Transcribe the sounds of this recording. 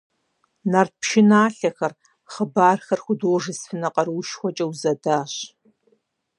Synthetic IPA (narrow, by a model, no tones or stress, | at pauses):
nɐr̚pʃɪnaːɬɐxɐr | χəbaːrxɐrxʷʊdoːʐɨsfɨnɐqɐrwʃxʷɔt͡ʃʼɐwzɐdaːɕ